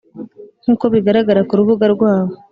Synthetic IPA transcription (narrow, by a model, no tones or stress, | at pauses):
n̥uːko̞βiɡaɾaɡaɾakuɾuβuɡaɾɡwaːβo